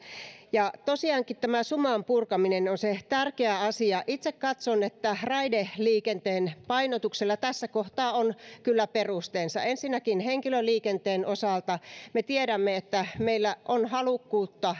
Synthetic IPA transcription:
jɑt̪osiɑːŋkit̪t̪æmæsumɑmpurkɑminenonset̪ærkeæɑsiɑʔit̪sekkɑt̪sonet̪ːærɑideliːkent̪eːnpɑinot̪ukselːɑt̪æsːækoht̪ɑːonkylːæperust̪eːnsɑensinːækinheŋkiløliːkent̪eːnʔosɑˑlt̪ɑmet̪ieɾæmːeet̪ːæmeilːæʔonhɑlukːuːt̪ːɑ

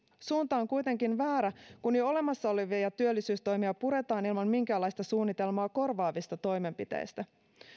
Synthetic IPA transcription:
suːnt̪ɑoŋkujt̪e̞ŋkinʋæːɾækunejo̞le̞mɑsːɑoleʋiɑjɑt̪yølːisyːst̪o̞jmiɑpuɾe̞t̪ɑːnilmɑnmiŋk̟æːlːɑjst̪ɑsuːnːit̪e̞lmoːko̞rʋɑːʋist̪ɑt̪o̞jme̞mpit̪ḛjst̪æ

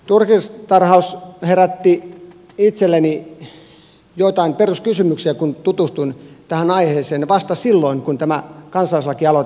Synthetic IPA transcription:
t̪urkist̪ɑrhɑusheræt̪ːi | it̪selːeni | joit̪ɑimperuskysymyksiækunt̪ut̪ust̪unt̪æhænɑiheːseːnʋɑst̪ɑsilːoiŋkunt̪æmækɑnsɑlislɑkiɑlo

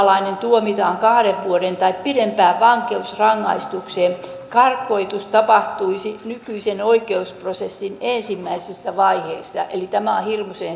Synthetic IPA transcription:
lɑinent̪uomit̪ɑːŋkɑhɾeʋʋuoɾent̪ɑippirempæːʋʋɑŋkeusrɑŋːɑist̪ukseːm | kɑrkːˑoit̪ust̪ɑpɑht̪uisinykyisenoikeusprosesːinensimːæisisːæʋɑiheisːɑ̰ʔelit̪æmæohirmuseːn

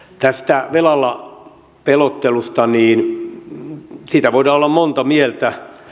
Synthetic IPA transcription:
t̪æst̪æʋelɑlːɑ | pelot̪ːelust̪ɑniːn | siːt̪æʋoidɑːolːɑmmont̪ɑmielt̪æ

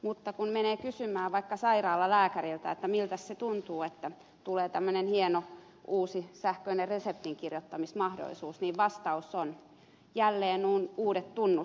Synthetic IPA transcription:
mut̪ːɑkunmeneːkysymæːʋɑikːɑsɑirɑːlːɑlæːkæɾilt̪æ̰et̪ːæmilt̪æsset̪unt̪uːet̪ːæ | t̪uleːt̪æmːønenhieno | uːsisæhkøinerresep̚t̪iŋkirjot̪ːɑmismɑhdo̰lisuːsniːʋʋɑst̪ɑuson | jælːeːnnuːnuːdet̪t̪unːu

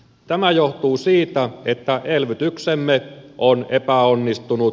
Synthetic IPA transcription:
t̪æmæjoht̪uːsiːt̪æet̪ːæʔelʋyt̪yksemːeʔonepæonːist̪unu

